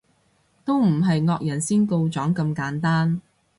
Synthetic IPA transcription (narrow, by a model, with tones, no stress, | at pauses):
t̪o˥wm̩˨˩ɦɐ˨jŋɔː˧k̚jɐ˨˩nsiː˥nko˧wt͡sɔː˨˥ŋkɐ˧mkaː˨˥nt̪aː˥n